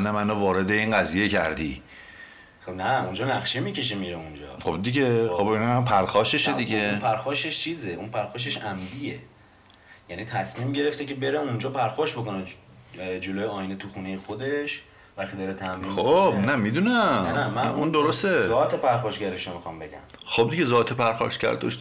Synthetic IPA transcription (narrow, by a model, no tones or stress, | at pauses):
næmænovɒːɾed̪e̞iːnɢæziːjecʰæ̰ɾd̪ḭ | næund͡ʒɒːnæχʃemicʰe̞ʃ̬emiɾeund͡ʒɒ̰ːχobd̪iɟexobinampʰæɾxɒːʃeʃed̪iɡeũnpʰæɾxɒːʃe̞ʃt͡ʃʰiːzeʔunpʰæɾxɒːʃ̬e̞ʃæmd̪ije | jæːniːt̪ʰæsmiːmɟe̞ɾeft̪ece̞be̞ɾeund͡ʒɒːpʰæɾxɒːʃboko̞ne | d͡ʒolojeɒːjinet̪ʰuxuːnejexo̞d̪e̞ʃ | væxt̪id̪ɒːɾet̪ʰæmɾixobnæmid̪unæmnæmæund̪oɾost̪ezɒːt̪ʰepæɾxɒːʃɟæɾeʃomixɒmbe̞ɟæ̰m | xob̚d̪iɟezɒːt̪ʰepʰæɾxɒ̰ːʃcæ̰ɾd̪o̰ʃ